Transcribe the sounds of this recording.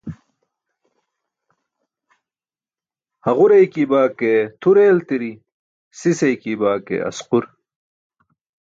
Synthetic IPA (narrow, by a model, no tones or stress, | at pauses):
hɐʁuɾejkibaːket̪ʰuɾeːlt̪iɾi | sisɐjkibaːkḛʔɐ̰squɾ